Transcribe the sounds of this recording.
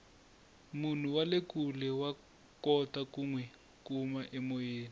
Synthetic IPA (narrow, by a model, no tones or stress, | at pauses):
mun̤uwalekulɛwa | kɔtakuŋwɛ | kumaʔɛmojeːni